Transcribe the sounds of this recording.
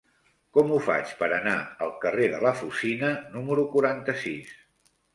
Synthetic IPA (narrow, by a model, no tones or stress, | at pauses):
kɔmufa̰t͡ʃpəɾənaəlˠkəreðələfusinənuməɾukuɾant̪əsḭs